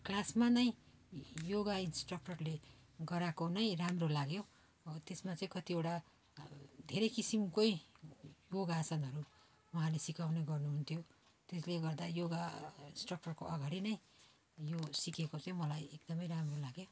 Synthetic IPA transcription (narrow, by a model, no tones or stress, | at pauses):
klasmanʌj̃ | joɡainsʈrʌk̚ʈʌrleɡʌɾakonʌj̃ramrolaɡjo | t̪esmat͡sʌĩkʌt̪iewʈa | d̪ʱeɾʌjkisimkoi | joɡasʌnɦʌɾu | wuɦãlesikawneɡʌrnuɦunt̪ʰjo | t̪esleɡʌrd̪ajoɡainsʈrʌk̚ʈʌrkoʔʌɡaɽinʌj̃ | josikekot͡sʌĩmʌlajek̚d̪ʌmʌjɾamrolaɡjo